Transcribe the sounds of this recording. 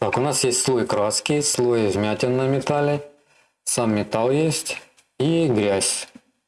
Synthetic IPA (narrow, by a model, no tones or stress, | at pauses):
t̪akʊnasjesʲtʲslˠojɪkɾaskʲɪjslˠojɪvʲmʲætʲɪnːəjmʲɪt̪alʲɪ | samːʲɪt̪alˠjesʲtʲ | iɡɾʲæsʲ